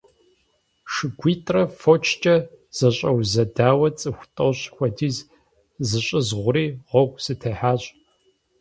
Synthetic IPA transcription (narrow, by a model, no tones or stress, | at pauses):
ʂɨɡʷiːtʼrɐfot͡ʃʰt͡ʃʼɐ | z̥ɐɕʼɐwzɐdaːwɐt͡sʼɨxʷtʼoɕʼxʷɐdiːz | zɨɕʼɨzʁʷʊɾiːʁʷɔɡʷsɨtʰɐħaːɕʼ